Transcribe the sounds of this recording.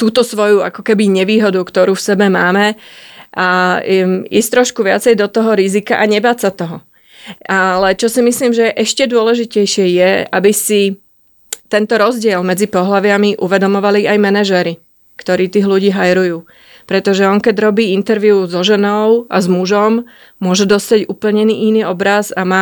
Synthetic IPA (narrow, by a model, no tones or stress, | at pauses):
t̪uːt̪ɔsʋɔjua̰kɔkɛbiɲɛʋiːɦɔd̪ukt̪ɔɾuːfsɛbɛmaːmɛʔa | iːst̪ɾɔʃkuʋɪat͡sɛjd̪ɔt̪ɔɦɔɾizikaʔaɲɛbaːtsat̪ɔɦɔ | ʔalɛt͡ʃɔsimisliːmʒɛʔɛʃcɛd̪ʊɔlɛʒicɛjʃɪɛjɛabisi | t̪ɛnt̪ɔɾɔzɟɪɛlmɛd͡zipɔɦlaʋɪamiʔuʋɛd̪ɔmɔʋaliʔajmɛnaʒɛɾi | kt̪ɔɾiːt̪iːɣluɟiːɦajɾujuː | pɾɛt̪ɔʒɛɔŋkɛɟɾɔbiːint̪ɛɾʋiuzɔʒɛnɔʊʔazmuʒɔm | mʊɔʒɛd̪ɔst̪aɟupl̩ɲɛniːʔiniːɔbɾazamaː